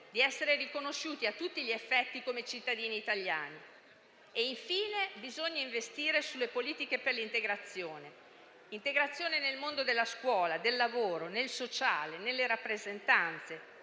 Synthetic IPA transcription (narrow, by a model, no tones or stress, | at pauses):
d̪iɛsːeɾerikonoʃːuːt̪iat̪ːut̪ːiʎiefːɛt̪ːikomet͡ʃit̪ːad̪iːniːt̪aʎːa̰ːni | eiɱfiːnebizoɲːaĩɱvest̪iːɾesulːepoliːt̪ikeperlint̪eɡɾat̪sːjoːne | int̪eɡɾat̪sːjoːnenelmond̪od̪elːaskwɔːlad̪elːavoːɾonelsot͡ʃaːlenelːeɾapːɾezent̪ant̪se